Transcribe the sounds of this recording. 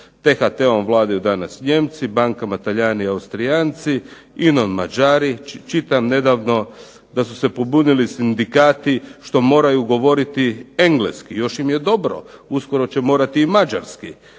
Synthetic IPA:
t̪exat̪eomʋlˠaːd̪ajud̪anasɲe̞mt̪sibaŋkamat̪aʎaːniaust̪ɾijaːnt̪si | inonmad͡ʒaːɾit͡ʃit̪amne̞d̪aːʋno̞ | d̪asu̥sepobunilisind̪ikaːt̪iʃt̪o̞mo̞ːɾajuɡo̞ʋo̞ɾit̪ie̞ŋɡleskijo̞ʃimje̞d̪o̞bɾo̞̰usko̞ɾo̞t͡ɕemo̞ːɾat̪iːmad͡ʒa̰ɾski

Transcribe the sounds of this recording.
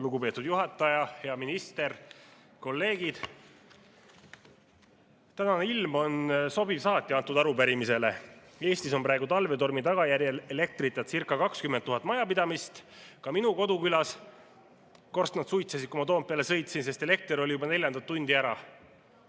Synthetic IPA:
luɡupe̞ːt̪ːˑud̪juɦɑt̪ːˑɑjɑhe̞ɑminist̪e̞r | ko̞lːe̞ːɡid̪̥ | t̪ænɑneilmo̞nso̞bivsɑːt̪ʲːˑiɑnt̪ːˑud̪ɑɾupæɾimise̞le̞ | e̞ːst̪iso̞mpɾɑe̞ɡut̪ɑlve̞t̪o̞rmit̪ɑɡ̥ɑjæɾjeele̞k̚t̪ɾit̪ːˑɑt̪sirkːˑɑkɑkskyment̪ːuɦɑt̪ːˑmɑjɑpid̪ɑmist̪kɑminuko̞d̪ukylɑs | ko̞rst̪nɑd̪sujt̪sesid̪̚kumɑt̪o̞ːmpːeɑle̞sɤ̞jt̪sinse̞st̪e̞le̞k̚t̪eɾo̞lʲijubɑne̞lʲjɑnd̪ɑt̪ːunʲd̪iæɾɑ̰

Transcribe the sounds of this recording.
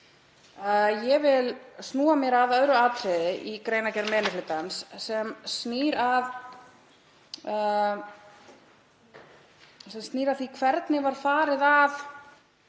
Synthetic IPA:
jɛvɪlsnuːamjɛɾaðœðɾʏaːt̪ɾɛðɪʔikɾeːjnacɛɾmɛːnɪflɪt̪ansːɛmsniːɾað | sɛmst̪niːɾaðθikʰvɛɾt̪nɪvaɾ̥faːɾɪðað

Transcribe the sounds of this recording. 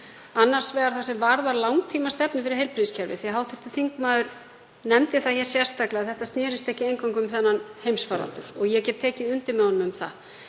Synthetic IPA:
anːar̥svɛːɣaɾθasɛmvaɾðaɾlawŋt̪ʰiːmast̪ɛpnʏfɪɾɪɾhejlpʰɾiscʰɛɾvɪ̰θiaɦawht̪ʰɪft̪ɪ̥θiŋkmaːðʏɾ̥ | nɛmt̪ɪθaðçɛɾ̥sjɛr̥st̪aklɪaθɛht̪ast̪nɛːɾɪst̪ɛhcɪejŋkawŋkʏʏmθɛnːanhejmsfaːɾa̰lt̪ʏɾ̥ɔɣjɛcɛt̪ʰːɛːcɪðʏnt̪ɪɾmɛɔnʏmʏmθa̰

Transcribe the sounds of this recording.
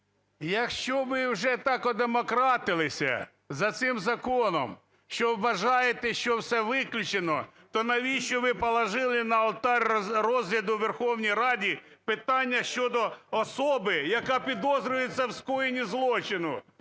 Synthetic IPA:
jɐkʃt͡ʃɔʋɪwʒɛt̪ɑkɔd̪emɔkɾɑt̪ɪlˠɪsʲɐ̰ | zɐt̪sɪmzɐkɔnɔ̰m | ʃt͡ʃɔwːɐʒɑjet̪ɛʃt͡ʃɔwsɛʋɪklʲʊt͡ʃenɔt̪ɔnɐʋʲiʃt͡ʃɔʋɪpɔlˠɐʒɪlˠɪnɐɔlˠt̪ɑrʲrɔzɦlʲɐd̪ʊʋerxɔwnʲijɾɑdʲi | pɪt̪ɑnʲːɐʃt͡ʃɔd̪ɔɔsɔbɪjɐkɑpʲid̪ɔzɾʲʊjet͡sʲːɐwskɔjenʲizlˠɔt͡ʃɪnʊ

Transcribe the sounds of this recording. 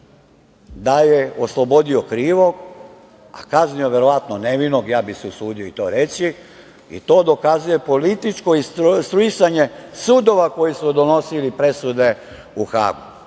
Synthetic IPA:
d̪aje̞oslˠo̞bo̞d̪iokɾiːʋoɡ | a̰kaznio̞ʋje̞ɾo̞ʋat̪noneʋinoɡjaːbiseusuːd̪ioit̪o̞ːɾe̞t͡si | ḭt̪o̞ːd̪o̞kazuje̞po̞lit̪it͡ʃkoisst̪ɾuisaɲe̞suːd̪o̞ʋako̞jismod̪o̞no̞silipɾe̞sud̪e̞ | uxa̰ːɡu

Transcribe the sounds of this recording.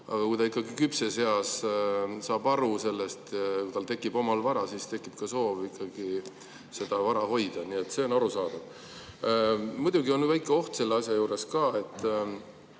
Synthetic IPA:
ʔɑ̰ɡ̥ɑkujd̪ɑikːˑɑɡikypsese̞ɑs | sɑːbɑɾuse̞lːest̪kujt̪ɑlt̪e̞kːˑib̥o̞mɑlvɑɾɑsist̪e̞kːˑip̚kɑso̞ːvikːˑɑɡ̥i | se̞d̪̥ɑvɑɾɑho̞jd̪̥ɑniet̪ːse̞o̞nɑɾusɑːd̪̥uv̥ | mud̪̥ʲuɡio̞nyvæjkːˑeo̞ht̪se̞lːeɑsjɑjuːɾe̞skɑːe̞t̪ːˑ

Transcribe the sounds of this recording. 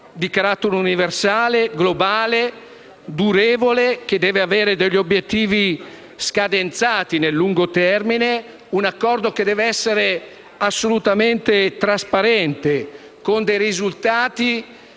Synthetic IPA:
d̪ikaɾat̪ːoɾeuniversaːleɡlobaːle | d̪uɾeːvolek̟ed̪ɛːveaveːɾed̪eʎːobjet̪ːiːvi | skad̪ent̪saːt̪inelːuŋɡot̪ɛrmine | unakːɔrd̪ok̟ed̪ːɛːveɛsːeɾe | asːolut̪ament̪et̪ɾaspaɾɛnt̪e | kond̪ɛjrizult̪aːt̪i

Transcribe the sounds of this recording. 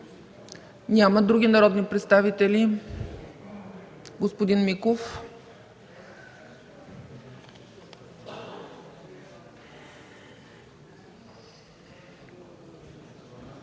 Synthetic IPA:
nʲaməd̪ɾuɡʲinɐɾɔd̪nipɾɛt̪st̪avit̪ɛli | ɡospod̪inmikof

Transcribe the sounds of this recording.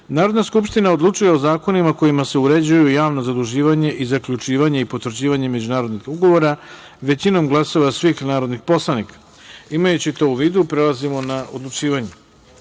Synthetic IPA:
naːɾod̪naskupʃt̪inao̞d̪lˠut͡ʂuje̞o̞zaːko̞nimako̞jimase̞uɾe̞d͡ʑujujaːʋno̞zad̪uʒiːʋaɲe̞ʔizakʎut͡ʂiːʋaɲe̞ipo̞t̪ʋɾd͡ʑiːʋaɲe̞me̞d͡ʑunaːɾo̞d̪nixuɡo̞ʋo̞ɾa | ʋe̞t͡ɕino̞mɡlˠasoʋasʋixnaːɾo̞d̪nixpo̞slˠanikḁ | imajut͡ɕit̪o̞uʋiːd̪upɾelˠazimo̞naʔod̪lˠut͡ʂiːʋaɲe

